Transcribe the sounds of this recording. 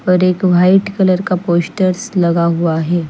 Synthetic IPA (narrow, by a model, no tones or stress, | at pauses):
pəɾekʋʱaiʈkələɾkaposʈəɾsləɡaɦuaɦe